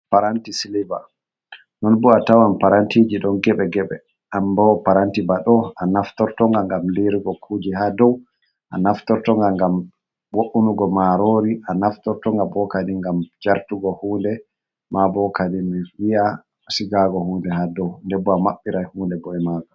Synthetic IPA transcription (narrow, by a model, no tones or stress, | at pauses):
paɾantisiliba | nɔnbuatawampaɾantiːd͡ʒiɗɔnɡɛɓɛɡɛɓɛ̰ | ʔambɔpaɾantibaɗɔanaftɔɾtɔŋɡaŋɡamliɾiɡɔkʰuːd͡ʒiɦadɔw | ʔa̰naftɔɾtɔŋɡaŋɡam | woʔunuɡɔmaɾoɾiʔanaftɔɾtɔŋɡabɔkadiŋɡamd͡ʒaɾtuɡɔhuːndɛ | mabɔkadimiwia | siɡaɡɔhuːndɛɦadɔwndɛbːɔamaɓːiɾajhuːndɛbɔɛmaɡɔ